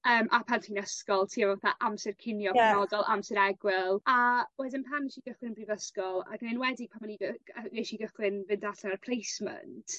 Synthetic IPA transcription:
əːmʔapʰantʰinəskɔlˠtʰiːavvaθaʔamsɪrkʰɪnjɔənɔdɔlˠʔamsɪɾɛɡwɪlˠawɛdɪnpʰaniʃiɡəχlɪnbrivəskɔlˠa̰ɡnɪnwɛdɪpʰamaniɡəəeʃiɡəχlɪnvɨndaɬɛnarpʰlˠejsmə̰ntʰ

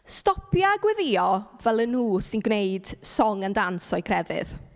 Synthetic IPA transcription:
stɔpʰjaɡwɛðɪɔvɛlˠənuːsɪnɡwneɨd̥sɔŋandansɔɨkʰrɛvɪ̰ð

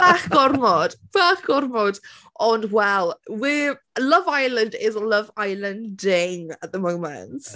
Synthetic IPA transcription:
b̥aχɡ̥ɔrmɔd̥b̥aχɡ̥ɔrmɔd | ʔɔndwɛlˠwi | ləvajlˠə̃ndɪzələvajlˠə̃ndɪŋət̚ðəmowmɛ̰nt

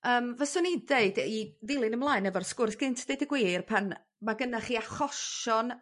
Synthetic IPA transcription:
əːmvəsʊnideɨdiðɪlˠɪnəmlˠaːɨnɛvɔrskʊrθɡ̥ɪntʰd̥eɨdəɡwiːrpʰan | maɡənaχiːaχɔʃɔn

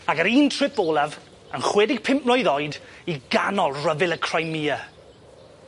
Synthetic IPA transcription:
aɡəɾiːntʰrɪpɔːlˠav | ənχwɛdɪɡ̥̚pʰɪmplɔjðɔjdiɡanɔlˠrəvɪlˠəkʰr̥ajmiːə

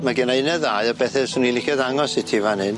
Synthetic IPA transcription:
maɡɛnaɪnɛðaːɨɔbɛθɛsunilˠɪkʰɛdaŋɔsɪtʰivanɨn

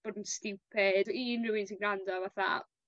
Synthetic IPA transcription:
b̥oːdn̩stɪwpʰɛdiːnrɪwɪnsʰinɡɾandɔvaθa̰

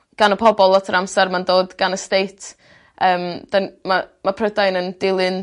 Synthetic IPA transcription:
ɡ̥anəpʰɔbɔlˠɔtʰəɾamsɛɾmandoːdɡ̥anəstejtʰ | əːmd̥anmamapʰrədajnəndɪlˠɨn

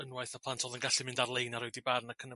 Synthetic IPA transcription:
ənwajθapʰlˠantʰɔðənɡaɬimɪ̃ndarlˠejnaɾɪwdibarnakʰənə

